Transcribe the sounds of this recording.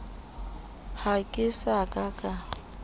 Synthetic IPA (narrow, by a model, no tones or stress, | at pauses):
hakʼɪsakʼakʼa